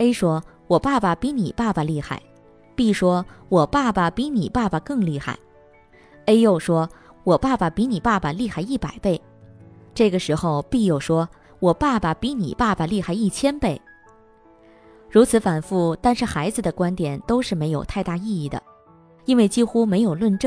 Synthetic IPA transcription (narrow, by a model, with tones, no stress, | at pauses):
e˥ɪʂwɔ˥ | wɔ˨˩pa˥˩bɐ˩pi˧˥ni˨˩pa˥˩bɐ˩li˥˧xa˥˩ɪ | pi˥˩ʂwɔ˥wɔ˨˩pa˥˩bɐ˩pi˧˥ni˨˩pa˥˩bə˩kɤ˥˧ŋli˥˧xa̰˥˩ɪ | e˥ɪjo˥˩ʊʂwɔ˥ | wɔ˨˩pa˥˩bə˩pi˧˥ni˨˩pa˥˩bə˩li˥˧xa˥˩ɪi˥˩pa˨˩ɪpe˥˩ɪ | ʈ͡ʂɤ˥˩ɡə˩ʂɻ̩˧˥xo˧ʊpi˥˧jo˥˩ʊʂwɔ˥ | wɔ˨˩pa˥˩bɐ˩pi˧˥nḭ˨˩pa˥˩ba˩li˥˧xa˥˩ɪi˥˩t͡ɕʰjɛ˥npe˥˩ɪ | ɻu˧˥t͡sʰɹ̩˧˥fa˨˩nfu˥˩t̪a˥˧nʂɻ̩˥˩xa˧˥ɪd͡zɹ̩˧d̪ə˩kwa˥nt̪jɛ˨˩nt̪o˥ʊʂɻ̩˥˩me˧˥ɪjo˨˩ʊt̪ʰa˥˧ɪt̪a˥˧i˥˧i˥˩d̪ə̰˩ | i˥nwe˥˩ɪt͡ɕi˥xu˥me˧˥ɪjo˨˩ʊlwə˥˧nʈ͡ʂ